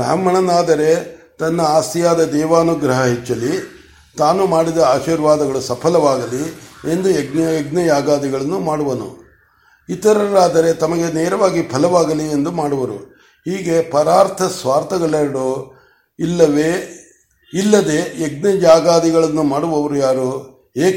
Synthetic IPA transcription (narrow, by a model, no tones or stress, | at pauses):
bɾa̰ːmɐɳɐnaːd̪ɐɾe̞t̪ɐnːɐaːst̪ijaːd̪ɐd̪ɛːʋaːnuɡɾɐɦɐɦet͡ʃːɐli | t̪aːnumaːɽid̪ɐaːʃiːɾʋaːd̪ɐɡɐɭusɐpʰɐlɐʋaːɡɐlie̞nd̪ueɡnɐeɡnɐd͡ʒaːɡaːd̪iɡɐɭɐnːumaːɽuʋɐnṵ | it̪ɐɾɐɾaːd̪ɐɾe̞t̪ɐmɐɡe̞neːɾɐʋaːɡipʰɐlɐʋaːɡɐliend̪umaːɽuʋɐɾṵ | hiːɡe̞pɐɾaːɾt̪ʰɐsʋaːɾt̪ʰɐɡɐɭɛɾɐɽu | ilːɐʋeː | ilːɐd̪e̞eɡ̚nɐd͡ʒaːɡaːd̪iɡɐɭɐnːumaːɽuʋɐʋɐɾujaːɾu | eː